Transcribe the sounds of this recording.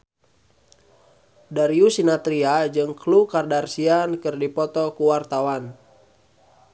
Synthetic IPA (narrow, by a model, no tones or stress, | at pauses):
daɾiusinat̪ɾiad͡ʒɨŋklukardarsiankɨrdipɔt̪ɔkuwart̪awan